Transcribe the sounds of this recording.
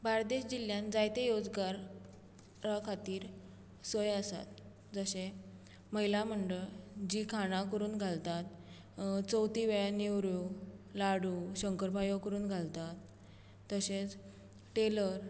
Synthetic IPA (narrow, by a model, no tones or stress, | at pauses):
baɾd̪eɕd͡ʑiljãnd͡zajt̪ejod͡zɡaɾ | ɾakʰat̪iːɾ | səjasa̰t̪̚ | d͡zəɕe | məɦilam̤əɳɖəɭd͡ʑiːkʰaɽ̃ãkəɾuːnɡʱalt̪at̪̚ | t͡səwt̪iʋeɭaniwɾjulaɽuɕəŋkəɾpajokəɾuːnɡʱalt̪at̪ː | əset͡s | ʈeləɾ